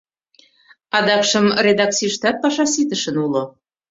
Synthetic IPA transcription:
ɑd̪ɑkʃə̆mred̪ɑk̚t͡siʃt̪ɑt̪̚pɑʃɑsit̪əʃənulo

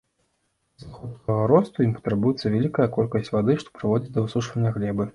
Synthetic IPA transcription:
zaxɔt̪t̪ɐɣɐɾɔst̪ujimpɐ̥t̪ɾɨbujɛt̪sːɐvʲalʲikɐjɐkɔlʲkɐsʲt͡sʲvad̪ɨʂt̪ɔ̥pɾɨvɔd͡zʲit͡sʲd̪ɐɨsuʂvɐnʲːɐɣlʲɛbɨ

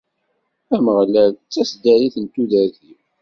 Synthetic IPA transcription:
æməʁlælt͡sːæsd̪æɾiθənt̪uðæɾθi

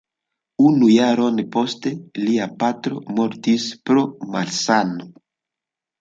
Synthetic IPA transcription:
unujaɾo̞npo̞ste̞liapatɾo̞mo̞ɾtispɾo̞malsano

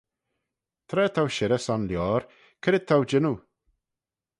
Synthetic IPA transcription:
t̪ʰɾɛːt̪ʰawʃɪɾɛsanljɔːɾ | kʰəɾɪt̪ʰawd͡ʒɪnu

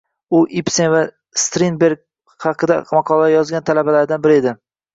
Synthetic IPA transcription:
ʊʔipsenva | st̪ɾinbeɾɡ̚ʲ | hɑqʰɨd̪a̰mɑqʰɒlˠajɒzɡʲant̪ʰalabalaɾd̪anbɪɾed̪ɪ

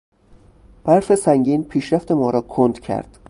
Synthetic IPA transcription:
b̥æɾfesæŋɟiːnpʰiːʃɾæft̪ʰe̞mɒːɾɒːkʰond̪̥cʰæ̰ɾd̪̥

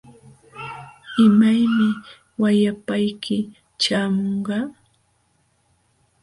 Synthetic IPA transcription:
ɪmajmɪ | wajapajkʰɪ | t͡ʃaːmoɴɢɑ

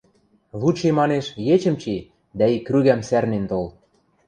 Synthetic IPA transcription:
βut͡ɕemɑneʃjet͡ɕə̆mt͡ɕi | d̪æikːryɣæmsærnent̪ol

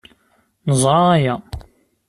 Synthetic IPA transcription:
nəzˤɾˤɑːjæ

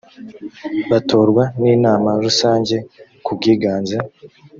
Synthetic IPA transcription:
βatʰo̞ːɾɡwaniːnaːmaɾusaːɲɟe̞kub̚ɡiːɡaːnza

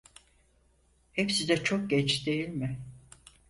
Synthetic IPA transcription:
hepsizɛt͡ʃʰok̚ɟɛt͡ʃd̪e̞jilʲmɪ

